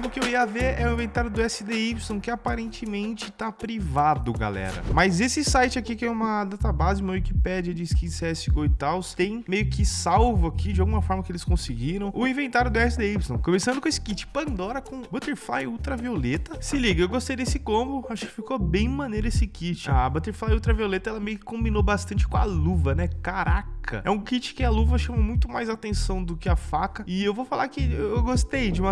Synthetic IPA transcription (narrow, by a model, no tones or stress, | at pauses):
mʊkɪewiɐveɾɛʊ̃ĩvẽnt̪aɾjʊd̪ʊɛsɪd̪eipsõw̃kɪapaɾẽnt͡ʃɪmẽt͡ʃɪt̪apɾivad̪ʊɡa̰lɛ̰ɾɐ̰mɐzesɪsajt͡ʃɪakikɪɛũmɐd̪at̪abazɪũmɐwikipɛd͡ʒɐd͡ʒɪskit͡ʃsɛsɪɡoɪt̪awst̪ẽj̃mejʊkɪsawvʊakʰid͡ʒɪawɡũmɐfɔɾmɐkɪelɪskõsɪɡiɾɐ̃w̃ʊĩvẽnt̪aɾjʊd̪ʊɛsɪd̪eipst̪õw̃kõmesɐ̃ndʊkõesɪ̥kit͡ʃɪ̥pɐ̃nd̪ɔɾɐkõbɐt̪eɾflajut̪ɾɐviolet̪ɐsɪliɡɐewɡost̪ejd̪esɪkõmbʊaʃʊ̥kɪ̥fikobẽj̃mɐ̃nejɾʊesɪkit͡ʃɪabɐt̪eɾflajuwt̪ɾɐviolet̪ɐɛlɐmejʊkɪ̥kõmbinobast̪ɐ̃nt͡ʃɪ̥kõa̰luvɐnɛkaɾakʰɐ̰ɛũkit͡ʃɪ̥kɪɐluvɐʃɐ̃mɐmũj̃t̪ʊmajzat̪ẽsɐ̃w̃d̪ʊkɪɐfakɐɪewvofalaɾkɪewewɡost̪ejd͡ʒɪũmɐ